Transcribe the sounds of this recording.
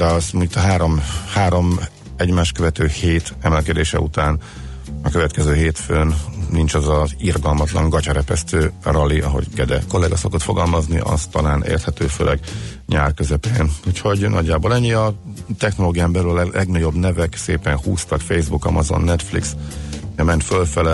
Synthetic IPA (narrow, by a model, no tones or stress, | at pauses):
d̪ɛɒsmut̪ɒɦaːɾo̞mhaːɾo̞m | ɛɟmaːʃtkøvɛt̪øːheːt̪ɛmɛlkɛd̪eːʃɛ̰ut̪aːn | ɒkøvɛt̪kɛzøːɦeːt̪føːnnint͡ʃɒzɒzirɡɒlmɒt̪lɒŋɡɒcɒɾɛpɛst̪øːrɒlːiɒɦo̞̰ɟɡɛd̪ɛ̰ko̞lːɛɡɒsɒkot̪fo̞ɡɒlmɒzniʔɒ̰st̪ɒlaːnʔḛːrt̪hɛt̪øːfø̰lʔɛɡɲa̰ːrkøzɛpenucho̞ɟnʔɒ̰ɟːaːbolɛɲːiɒ | t̪ɛxnoloːɡijaːmbɛlyllʔɛɡnɒɟo̞bnɛvɛksḛːpɛnhuːst̪ɒkfejzbukɒ̰mɒzo̞̰nːɛt̪flḭksɛmɛnt̪følfɛlɛ